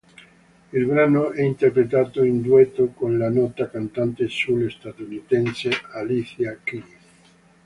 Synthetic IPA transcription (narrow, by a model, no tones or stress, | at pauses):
ilbɾanoʔɛint̪erpɾet̪aːt̪oind̪uɛt̪ːokonlanɔt̪akant̪ant̪esulest̪at̪unit̪ɛnsealiθjaki